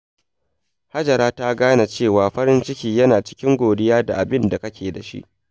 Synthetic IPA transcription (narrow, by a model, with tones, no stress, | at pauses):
ha˦d͡ʒɐ˨ɾaː˦ta˦ɡaː˦na˨t͡ʃeː˦˨waː˨ɸɐ˦ɾɪ˦nt͡ʃɪ˦kʲiː˦jɐ˦naː˨t͡ʃɪ̥˦kʲɪ˦ŋɡʷoː˨dɪ˦jaː˦da˨ʔa˨bɪ˦nda˨kɐ˦kʲeː˨da˨ʃḭ˦ʔ